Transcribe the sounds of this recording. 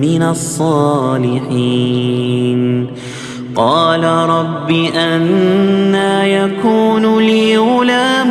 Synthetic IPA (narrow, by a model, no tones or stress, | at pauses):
mɪnasˤːɑːlɪħiː | n | qɑːlaɾˤɑbːɪʔanː | aːjakuːnlɪʊlaːm